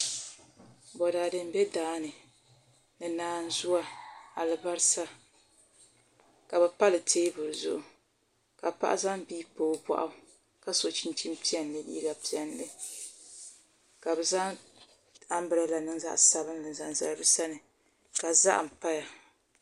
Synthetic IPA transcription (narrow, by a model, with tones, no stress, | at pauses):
bɔ˨da˨dɨ˦m˦bɛ˦daː˨˦nɨ˨ | nɨ˨naː˨˦n̩˦zʊ˦a˦a˨lɨ˨ba˦ɾɨ˦sa˦ | ka˨bɛ˨pa˦lɨ˨tʰeː˦bʊ˨ɾɨ˨zʊ̰˦ʔʊ˨ | ka˨pa̰˦ʔa̰˦za˦mbiː˦poː˦ba̰˨ʔa˦ | ka˦so˨t͡ʃi˦n˦t͡ʃi˦m˦pi˦ɛ˨nlɨ˨lḭː˦ɡa˨pi˦ɛ˨nlɨ˦ | ka˨bɛ˨za˦ | a˦m˦bɨ˨ɾa˦la˨nɨ˦ŋza̰˦ʔsa˨bɨ˦mlɨ˨n˨za˨n˨za˦ɾɨ˦bɨ˦sa˦nɨ˨ | ka˨za̰˦ʔm̩˨pa˦ja˨